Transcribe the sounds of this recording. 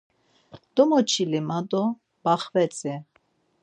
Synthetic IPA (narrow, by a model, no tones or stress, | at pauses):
d̪̥ɔmɔt͡ʃʰilimad̪ɔ | b̥aχvɛt͡sʼɛ